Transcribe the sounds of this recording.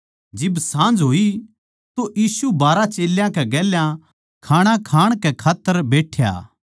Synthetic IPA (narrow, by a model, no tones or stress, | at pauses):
d͡ʒɪbsãːnd͡ʒɦoːi | t̪oʔjiːsubaːɾat͡ʃeːljãkɛɡɛːljã | kʰaːɽ̃akʰaːɽ̃kɛkʰaːt̪ːəɾbeːʈʰja̰ː